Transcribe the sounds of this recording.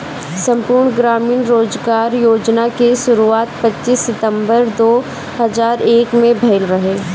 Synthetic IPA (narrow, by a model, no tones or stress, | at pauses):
sɐ̃mpuːɾɳɡɾaːmiːnɾoːzɡaːɾjoːd͡ʒnakeʃʊɾuaːt̪pɐtːt͡ʃːʃisːɪt̪ə̃mbəɾd̪oː | hɐzaːɾeːkmẽbʱɛɪlɾɐɦeː